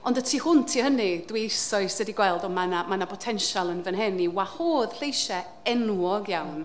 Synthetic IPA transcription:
ɔndətʰiːhʊntʰihənidwiɪsɔɨsɛdiɡwɛlˠdɔmanamanapʰɔtʰɛnʃalˠənvənɦɛniwahoːð̥ɬejʃɛ | ɛnuɔɡjawn

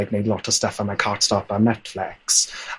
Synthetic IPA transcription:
ɪɡ̚neɪdˡlɔtəv̥stʌfə̃naɪkʰɑːˑtstɑt̚b̥anɛtflɪks

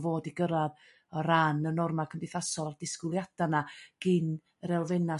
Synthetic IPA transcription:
voːdiɡəɾað | ɔɾanənɔrmakʰəmbɪθasɔlˠdɪskɪlˠjad̥anaɡ̥in | rɛlˠvɛna

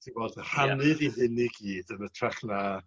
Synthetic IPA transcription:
d̥ivoːdhanɨðiɦɪniɡiːdənətʰraχna

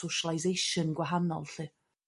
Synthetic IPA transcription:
owʃalˠajzejʃənɡwaɦanɔ̰lˠɬɨː

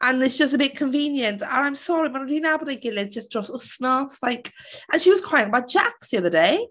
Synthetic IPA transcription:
ʔə̃nðɪtsd̥ʒ̥ʌstəbɪʔ̚kʰə̃ɱvĩːnjə̃ntə̰̃nãɪ̃msɔɹimə̃nədinabədeɪɡɪlɪt̚d͡ʒ̥ʌsdɹ̥ɔsəsnɔslaɪkʔə̃nʃiwɒz̥kʰɹ̥aɪɪ̃ŋəbaʊt̚d̥ʒ̥aksðiʌðədeɪ

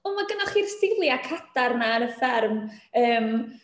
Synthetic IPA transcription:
ɔmaɡənɔχirsɪlˠjakʰadarnanəfɛrməːm

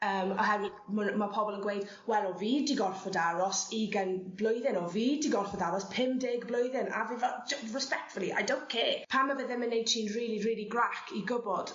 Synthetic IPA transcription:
əːmɔ̰ɦɛw | məmapʰɔbɔlˠənɡwejd̥ | wɛlˠɔviːdiɡɔrfɔdaɾɔsiɡənblʊjðɪnɔviːdiɡɔrfɔdaɾɔspʰɪmdɪɡblojðɪna̰vivɔd͡ʒəɹɛspɛk̚tfʊlˠiʔa̰jdõnkʰɛːpʰamːavəðɪnmːənːejd̥̚tʰiːnriːlˠiriːlˠiɡrakʰiɡʊbɔd̥

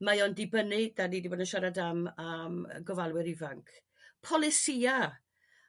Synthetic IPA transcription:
majɔndɪbənɪdanidiɪbənəʃaɾadamam̰ɡɔvalˠwɪɾivaŋkʰ | pʰɔlˠɪsia

